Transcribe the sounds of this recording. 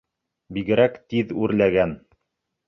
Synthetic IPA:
biɡɘ̆ɾækt̪iðʉɾlæɡæn

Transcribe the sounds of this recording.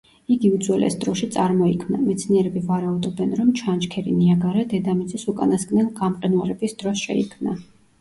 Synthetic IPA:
iɡiud̪zwɛlɛ̰sd̪ɾɔʃit̪sʼaɾmɔikʰmna̰mɛt̪sʰniɛɾɛbivaɾaud̪ɔbɛnɾɔmt͡ʃʰant͡ʃkʰɛɾḭniaɡaɾad̪ɛd̪amid̪zʼɛsukʼa̰naskʼnɛnɡamqʼɛnwaɾɛbisd̪̥ɾɔsʃɛ̰ḭkʰmna

